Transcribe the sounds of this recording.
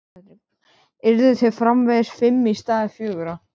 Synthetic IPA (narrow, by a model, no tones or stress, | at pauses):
ɪɾðʏθɛɾfɾamvɛðɪsfɪmːist̪aːðɪfjœːɣʏɾa